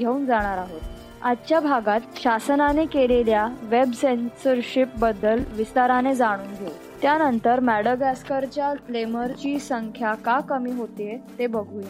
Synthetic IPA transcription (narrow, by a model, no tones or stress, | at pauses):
ɡʱeuːnd͡zaɽ̃aɾaɦot̪ | adt͡ɕjabʱaɡat̪ɕasənanekeleljaʋebsensəɾɕip̚bəd̪ːəlʋist̪aɾaned͡zaɽ̃uːnɡʱe | t̪janənt̪əɾmæɽəɡæskəɾt͡ɕjafleməɾt͡ɕiːsəŋkʰjakakəmiːɦot̪eet̪ebəɡʱuj